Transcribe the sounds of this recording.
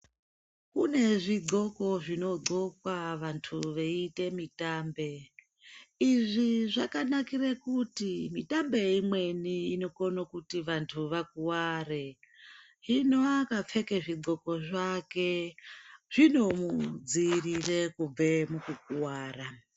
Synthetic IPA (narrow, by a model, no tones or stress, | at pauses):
kune̞ʐiɡoko̞ʐino̞ɡ͡ǀokwaʋantʰuʋeite̞mitaːmbe̞ | iʐiʐakanakirekutimitambeimwe̞niino̞konokutiʋantʰuʋakuware | ɦinoakap͡fekeʐiɡ͡ǀo̞ko̞ʐake | ʐ̥ino̞mud͡zirirekub͡vemukuk̚uwaːra